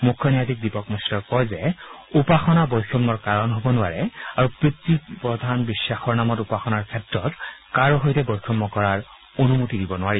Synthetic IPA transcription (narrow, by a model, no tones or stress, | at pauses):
mukʰːjɔnijatik̚dipɔkmɔstɔkɔjzɛupaxɔnabɔjkʰɔmːɔɹkaɹɔnɦobɔnʊaɹɛaɹupɹitːipɹɔd̪ʱanbisːaxɔɹnamɔtupaxɔnaɹkʰɛtɹɔtkaɹɔɦɔjtɛbojkʰɔmːɔkɔɹaɹ | onumutidibɔnʊwaɹi